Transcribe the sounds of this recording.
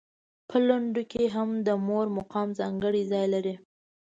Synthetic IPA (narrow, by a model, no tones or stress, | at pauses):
pʰəlaɳɖokeɦamd̪əmoɾmʊqɑmzɑŋɡəɽizɑjlaɾi